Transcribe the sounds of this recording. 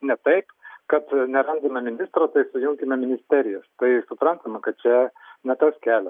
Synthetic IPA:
nʲɛt̪ɐɪpkɐt̪nʲɛɾɐnd̪ɐmʲɛmʲɪnʲɪst̪ɾoːt̪ɐɪsʊjʊŋʲkʲɪmʲɛmʲɪnʲɪsʲt̪ʲæːɾʲɪjɛst̪ɐɪsʊpɾɐnt̪ɐmɐkɐt̪̚t͡ʃʲɛnʲɛt̪ɐskʲæːlʲɛ

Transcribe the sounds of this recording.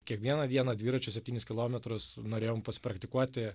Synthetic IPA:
kʲiɛkʋʲiɛnɐʋʲiɛnɐd̪ʲʋʲiːɾɐt͡ʃʲʊsʲɛpʲt̪ʲiːnɪsʲkʲɪlˠoːmʲɛt̪ɾʊsnoːɾʲeːjoːmpɐsʲɪ̥pɾɐkt̪ʲɪkuɔt̪ʲɪ

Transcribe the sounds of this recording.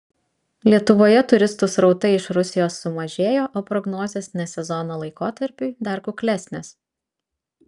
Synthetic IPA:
lʲiɛt̪ʊʋoːjɛt̪ʊɾʲɪst̪ʊsɾɒʊt̪ɐɪɪʃɾʊsʲɪjoːsːʊmɐʒʲeːjoːʔoːpɾɔɡnɔːzʲeːsnʲɛsʲɛzɔnoːlˠɐɪkoːt̪ɐɾʲpʲʊɪd̪ɐɾkʊkʲlʲæsʲnʲeːs

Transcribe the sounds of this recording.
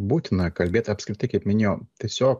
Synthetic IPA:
buːt̪ʲɪnɐkɐlʲbʲeːt̪ʲɐpskɾʲɪt̪ɐɪkɐɪpmʲɪnʲeːjoːt̪ʲiɛsʲoːk

